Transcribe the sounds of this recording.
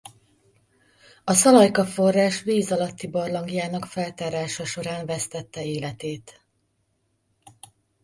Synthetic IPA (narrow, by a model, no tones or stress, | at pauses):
ɒsɒlɒjkɒfo̞rːaːʃʋeːzɒlɒt̪ːibɒrlɒŋɡijaːnɒkfɛlt̪aːɾaːʃɒʃo̞ɾaːɱvɛst̪ɛt̪ːɛeːlɛt̪eːt̪